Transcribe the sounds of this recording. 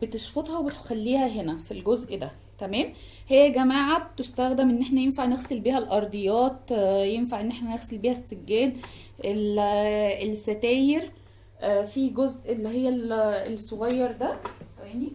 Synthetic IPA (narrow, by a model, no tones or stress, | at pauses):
bet̪eʃfot̪ˤhɑwebet̪xælːiːhæɦenæfilɡozʔd̪æ | t̪æmæːm | hejːæɡæmaːʕab̚t̪est̪æɣd̪emʔenːʔeħnæjenfaʕneɣselbiːhælʔɑɾˤd̪ˤejɑːt̪jemfaʕenːeħnæneɣselbiːhæst̪eɡːæːd̪ | ʔel | elsːæt̪æːjeɾ | fiɡozʔelːihejːælelsːoɣɑjːɑɾˤd̪æsæwæni